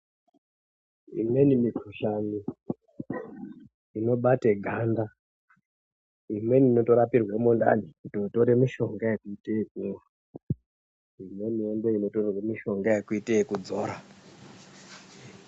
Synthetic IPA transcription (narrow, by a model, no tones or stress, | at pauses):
ḭmwe̞nimikʰuʃani | ino̞ɓateɡʱanda | imwe̞nino̞to̞ɾapirwemonda̰nikutoto̞ɾe̞miʃo̞ŋɡajekuitekuŋa | imwe̞nijendeino̞torwemiʃo̞ŋɡajekuiteikud͡zo̞ːɾa